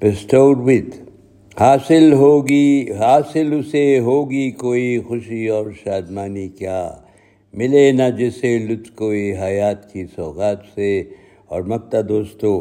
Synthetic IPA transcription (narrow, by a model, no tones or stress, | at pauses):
bɪsʈoːɖwɪt̪ | haːsɪlɦoːɡiɦaːsɪlʊseɦoːɡikoːixʊʃiɔːɾʃaːd̪maːnikjaː | mɪlenɐd͡ʒeselʊt̪koːiɦɐjaːt̪kisɔːɣaːt̪se | ɔːɾmɐk̚t̪ad̪oːst̪o